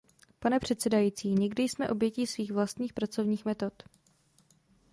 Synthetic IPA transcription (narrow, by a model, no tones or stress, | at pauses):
panɛpr̝̥ɛt̪sɛdajiːt͡siːɲɛɡdɪjsmɛʔo̞bjɛcisviːxvlast̪ɲiːxpɾat͡so̞vɲiːxmɛt̪o̞t̪